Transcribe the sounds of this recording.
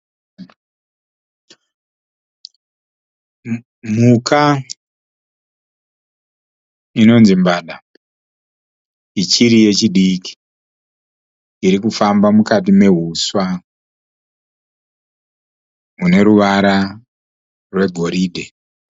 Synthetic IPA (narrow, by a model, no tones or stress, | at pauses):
muka | ino̞nzimbaːɗa | it͡ʃiɾije̞t͡ʃiɗiki̥ | iɾikufambamukatime̞ɦuswa | mune̞ɾuʋaɾa | rwe̞ɡʱo̞ɾiːdʱe